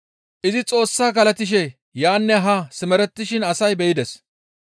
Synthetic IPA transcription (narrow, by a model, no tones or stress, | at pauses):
ʔɪzɪt͡sʼo̞ːsːaːkɐlɐt̪ɪʃ̬ɛ | jaːnːɛɦɐsɪmɛɾɛt̪ːɪʃɪnɐsɐjbɛjɪd̪ɛs